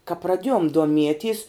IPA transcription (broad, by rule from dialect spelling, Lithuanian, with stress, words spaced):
kɐ prɐˈdʲiɛjoːm duɔˈmʲiɛtʲiɛs